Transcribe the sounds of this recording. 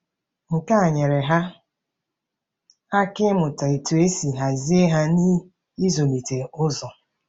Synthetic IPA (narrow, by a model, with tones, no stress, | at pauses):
ŋ̩˨ka˦a˨ɲe˨ɾe˨ɦa˦ | a˦kɪ˦mʊ˨ta˨e˨tu˨e˦si˨ɦa˨zi˦e˦ɦa˦ni˦ | i˦zo˨mi˨te˨ʊ˦zɔ˨